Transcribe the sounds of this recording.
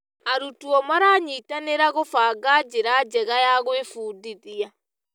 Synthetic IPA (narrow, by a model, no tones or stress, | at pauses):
aɾutuɔmaɾaːɲiːtaneɾaɣofaːɡad͡ʒeɾad͡ʑɛɣajaɣwefuːdiðia